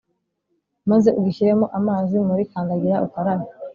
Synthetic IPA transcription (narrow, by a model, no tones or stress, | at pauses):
maze̞uɡiçiɾemoʔamaːzimuɾikaːŋɡaɡiɾaṵkaɾaɾa